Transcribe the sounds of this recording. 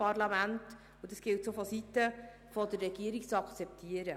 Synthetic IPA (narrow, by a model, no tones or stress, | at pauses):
ɑrlɑmænt | udɑsɡ̥ɪltsofɔsitːə | fɔdərːɛɡ̥iəɾikt͡sɑkt͡sɛptʰiəɾə